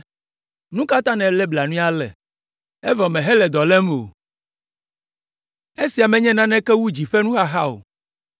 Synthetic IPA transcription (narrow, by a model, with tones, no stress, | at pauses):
nũ˦ka˦t̪ã˦nɛ̃˨lɛ˦bla˨nũ˦a˦lɛ̰˨ | ɛ˦vɔ˨mɛ̃˨ɦɛ˦lɛ˨d̪ɔ˨lɛ˦m˨o̰˨ | e˦si˨a˨mɛ̃˨ɲɛ̃˦nã˦nɛ̃˦kɛ˦wu˦d͡ʑi˨ɸɛ˦nũ˦xa˦xa˦o̰˨